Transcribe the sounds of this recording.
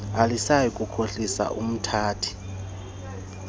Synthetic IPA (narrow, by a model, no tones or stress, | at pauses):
alisajikʼukʰoɬisa̰ʔum̩tʰaːtʰi̥